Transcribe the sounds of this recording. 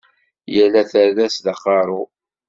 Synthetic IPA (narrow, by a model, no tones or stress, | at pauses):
jəlːæθəɾðæsðɑqːɑɾˤʊ